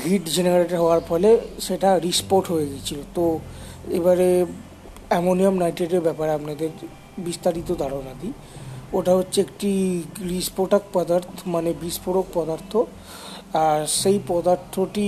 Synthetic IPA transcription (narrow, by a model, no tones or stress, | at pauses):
ɡʱiʈd͡ʑenaɾaɾeʈaɾɦɔaɾfɔleʃeʈaɾispoʈɦojeɡet͡ɕʰilot̪o | ḛbaɾe | ɛmoniomnajʈeʈeɾbɛpaɾeapnad̪eɾ | bist̪aɾit̪od̪ʱaɽonad̪i | oʈaɦotːeekʈiɾispoʈak̚pɔd̪aɾt̪ʰomanebispoɽok̚pɔd̪aɾt̪ʰo | aɾʃejpɔd̪aɾt̪ʰːoʈi